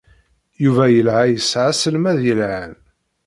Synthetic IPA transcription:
juvæjəlʕajəsʕasəlmæðjəlʕan

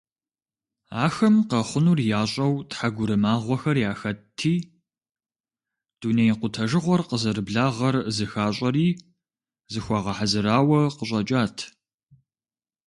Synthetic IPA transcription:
a̰ːxɐmqɐχʷʊnuːrjaːɕʼɐwtħaɡʷʊɾɨmaːʁʷɔxɐrjaːxɐtʰiː | d̥uːnejqʷʊtʰɐʒɨʁʷɔrqəzɨɾɨbɮaːʁɐrzɨxaːɕʼɐriː | zɨxʷɑːʁɐħazɨɾaːwɐqəɕʼɐt͡ʃʼaːtʰ

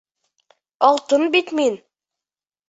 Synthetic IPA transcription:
ɑlˠt̪ənbit̪min

